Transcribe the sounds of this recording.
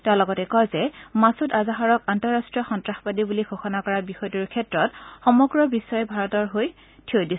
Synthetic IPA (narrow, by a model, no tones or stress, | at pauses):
tɛʊ̃lɔɡɔtɛkɔjzɛmasutazaɦaɹɔkantɔɹastɹiɔxɔntɹaxpadibuliɡʱoxɔnakɔɹabixɔjtuɹkʰɛtɹɔtxɔmɔɡɹɔbisːɔjɛbʱaɹɔtɔɹɦoj | tʰiojdis